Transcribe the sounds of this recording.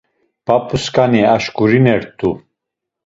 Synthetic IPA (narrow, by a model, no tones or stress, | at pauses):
b̥apʰʼuskʼaniaʃkʼuɾinɛɾt̪ʰʼu